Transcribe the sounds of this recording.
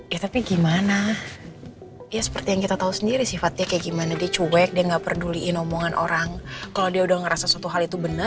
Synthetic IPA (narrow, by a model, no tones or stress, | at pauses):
jat̪apiɡimana | jasə̥pərt̪ijaŋkit̪at̪ausəndiɾisifat̪̚diakajaɡimanadiat͡ʃuwɛk̚diaŋɡapərduliʔːnɔmoŋanʔo̰ɾaŋkalawdiaudahŋəɾasasuat̪uɦalit̪ubənə